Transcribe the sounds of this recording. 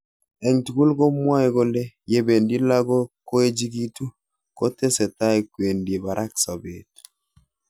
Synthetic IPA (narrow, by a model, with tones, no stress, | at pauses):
ɛ˨ŋtu˨ku˦lɡɔ˦mwa˦ɛ˦ɡɔ˦lɛ˦je˨be˨ndi˦la˦ɡɔ˦ko˦e˦d͡ʒi˦ɡi˦tu˦ | kɔ˦tɛ˦sɛ˨ta˦jkwe˨ndi˨e˨ba˨ɾʔa˦ksa˨be˨t